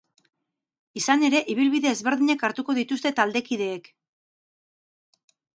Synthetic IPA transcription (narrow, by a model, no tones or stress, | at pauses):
isane̞ɾe̞ʔiβ̞ilβiðe̞ːzβe̞ɾðiɲekaɾt̪uko̞ðit̪ust̪e̞t̪ald̪e̞kiðe̞ːk